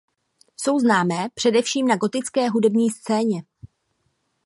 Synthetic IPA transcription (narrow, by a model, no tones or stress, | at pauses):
so̞wznaːmɛːpr̝̥ɛdɛfʃiːmnaɡo̞t̪ɪt͡skɛːɦudɛbɲiːst͡sɛːɲɛ